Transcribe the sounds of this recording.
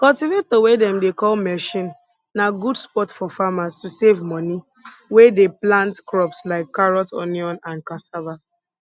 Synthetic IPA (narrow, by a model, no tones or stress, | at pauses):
kɔltivet̚towedɛ̃mdekɔlmɛʃĩn | naɡudspɔtfɔfamastusevmɔni | wedeplãntkɹɔpslaɪkːaɹɔtɔ̰niɔ̃nãnkãsava